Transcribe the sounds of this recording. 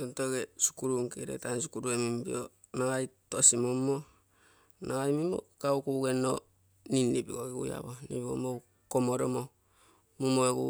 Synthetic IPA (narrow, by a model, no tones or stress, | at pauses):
tontoɡesu̥kuɾuŋkeɾḛtansukuɾuemimbḭo | naŋajtosimomːo | naŋajmimo̰kaukuɡeno | ninːibiɡoɡeɡṵja̰βonipiɡo̰mo | komoɾomo | mumoekṵ